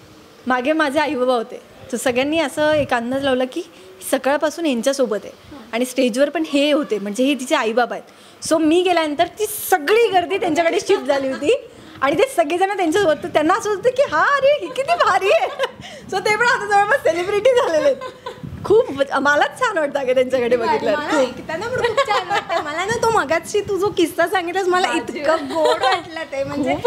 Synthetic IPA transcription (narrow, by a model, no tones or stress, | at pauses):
maɡʱemad͡zʱeajubabaɦot̪ḛ | t̪əɾsəɡɭjanːiːəsəːekand̪ət͡slaʋləkiː | ɦsəkəɭpasuːnjaɲt͡ɕjasobət̪jḛaɽ̃isʈed͡ʑʋəɾpəɳɦeɦot̪em̤əɳd͡zeɦet̪̬it͡seajubabajt̪ | somiːɡeljanənt̪əɾt̪iːsəɡɭiːɡəɾd̪iːt̪jaɲt͡ɕjakəɽeːɕip̚d͡zʱaliːɦot̪iː | aɽ̃it̪esəɡɭed͡zanːat̪jaɲt͡ɕaʋət̪ət̪janːaəsəd͡zʱat̪əkiɦaːɾeɦiːkit̪iːbʱaɾiːje | sot̪epəɳat̪ətəʋəɭbəselibɾiʈiːd͡zʱalelet̪kʰuːpmalat͡st͡ɕʰanʋaʈ̚t̪aɡet̪jaɲt͡ɕakəɽebəɡʱit̪ləɾʰuːpkit̪anapəɽupt͡ɕanʋat̪aməlanat̪oməɡat͡sɕiːt̪ud͡zokisasãŋɡit̪laəsməlait̪kaɡoɽʋaʈlat̪eem̤əɳkep